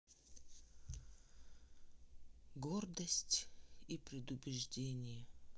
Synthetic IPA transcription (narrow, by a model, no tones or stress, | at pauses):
ɡord̪əsʲtʲipɾʲɪd̪ʊbʲɪʐdʲenʲɪjə